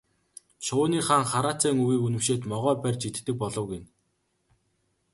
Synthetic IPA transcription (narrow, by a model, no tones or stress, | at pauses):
ʃʊːniːχaːŋχaɾaːt͡sæːŋɵwiːkunɘ̆mʃeːt̪mɔʁœːpærʲt͡ɕit̪̆t̪ːɘ̆k̚pɔɮɞ̆wɡin